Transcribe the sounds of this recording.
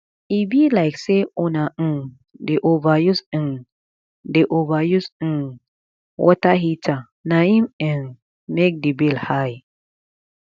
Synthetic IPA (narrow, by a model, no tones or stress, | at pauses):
ibilajkseunãn | deʔovajusə̃n | deʔovajus̩n | wʔɔ̰taɦita | naĩmən | mek̚dibilhaj